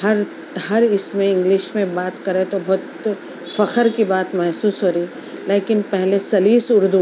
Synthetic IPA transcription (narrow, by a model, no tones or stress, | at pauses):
hɐɾ | hɐɾɪsmẽɪ̃ŋɡlɪʃmẽbaːt̪kɐɾẽt̪obɔːt̪ | fɐqəɾkibaːt̪mɛɦsuːsɦoːɾiː | leːkɪnpɛɦlesɐliːsʊɾd̪u